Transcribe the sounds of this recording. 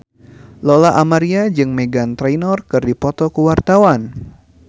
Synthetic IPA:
lɔlaʔamaɾiad͡ʒɨŋmeɡant̪ɾejnɔrkɨrdipɔt̪ɔkəwart̪awan

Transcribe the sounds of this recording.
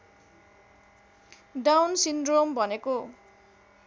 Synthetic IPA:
ɖawnsindrombʱʌneko

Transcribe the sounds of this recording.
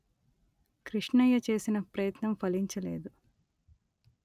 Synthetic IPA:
kɾiʂɳɐjɐt͡ʃe̞ːsinɐpɾɐjɐt̪nɐmpʰɐliɲt͡ʃɐle̞̰ːd̪u

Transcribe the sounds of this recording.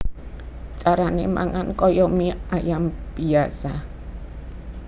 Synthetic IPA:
t͡ʃaɾanema̰ŋankɔjɔmiajamb̥iasa

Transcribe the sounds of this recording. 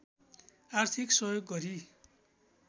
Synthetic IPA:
art̪ʰiksʌjoɡːʌɾi

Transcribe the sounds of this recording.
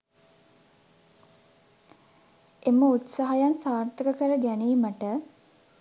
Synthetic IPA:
eməut̪saɦajansaːrt̪əkəkəɾəɡæniːməʈə

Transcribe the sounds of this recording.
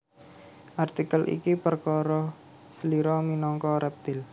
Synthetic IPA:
ʔart̪ikəlʔḭkipərkɔɾɔ | səliɾɔminɔŋkɔɾɛp̚t̪ɪl

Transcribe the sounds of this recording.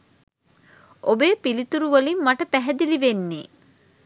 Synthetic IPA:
obeːpilit̪uɾuʋəlimːaʈəpæɦɛd̪iliʋenːḛː

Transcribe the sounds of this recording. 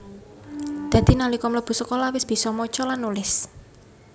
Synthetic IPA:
d̪̥ä̤d̪̥i̤nalikɔmləb̥ṳsəkolɔwɪsb̥i̤sɔmɔt͡ʃɔlanːulɪs

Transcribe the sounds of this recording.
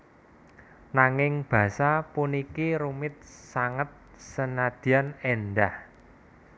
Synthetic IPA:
naŋɪŋb̥ä̤sapunikiɾumɪt̪̚saŋət̪̚ | sənad̪̥i̤anenɖ̪ah

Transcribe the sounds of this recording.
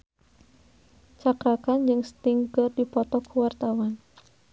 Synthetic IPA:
t͡ʃakɾakand͡ʒɨŋst̪iŋkɨrdipɔt̪ɔkuwart̪awan

